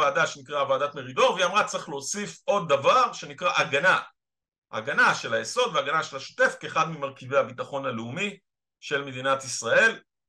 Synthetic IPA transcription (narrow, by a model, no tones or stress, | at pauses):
aːdaʃenikʁavaːdat̪me̞ʁido̞ʁveiamʁat͡sχlo̞ːsifʔo̞d̪̚ːavaʁʃe̞nikʁaʔaɡana | ʔa̰ɡanaʃelajeso̞d̪veaɡanaʃelaʃo̥te̞fkeːχad̪mimaʁkive̞jhabit̪aχo̞naleumi | ʃe̞lme̞d̪inat̪isʁae̞l